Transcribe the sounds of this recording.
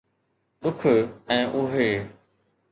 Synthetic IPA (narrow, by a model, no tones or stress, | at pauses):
ɗʊkʰʊɛ̃ːʔʊɦeː